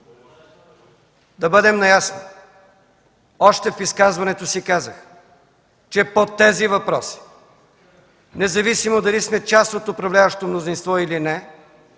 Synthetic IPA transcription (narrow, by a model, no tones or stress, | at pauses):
d̪ɐbɤd̪ɛmnɐjasno | ɔʃt̪ɛfiskazvɐnɛt̪osikazəx | t͡ʃɛpot̪ːɛzivɐpɾɔsi̥ | nɛzɐvisimod̪ɐlismɛt͡ʃast̪ot̪opɾɐvlʲavəʃt̪omnozinst̪vɔilinɛ